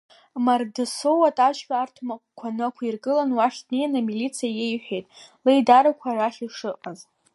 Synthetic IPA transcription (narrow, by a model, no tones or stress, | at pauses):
mardɨsowatʼaʃpʲaːrtʰmakʷkʷʰanɨkʷʰairɡɨlanwaʃʲtnejanamilit͡sʰijajejħʷᶣejtʼlejdaɾakʷʰaraχʲiʂɨqʼaz